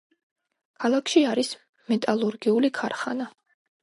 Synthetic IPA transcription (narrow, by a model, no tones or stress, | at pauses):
kʰalˠakʰʃiaɾis | mɛt̪ʼalˠuɾɡiulikʰaɾχana